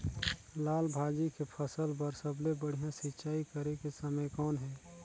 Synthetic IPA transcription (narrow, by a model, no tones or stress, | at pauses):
laːlbʱaːd͡ʒikepʰəsəlbəɾsəblebəɽ̤ijãsɪtːt͡ʃaːikəɾekesəməjkɔːnɦɛ̃ː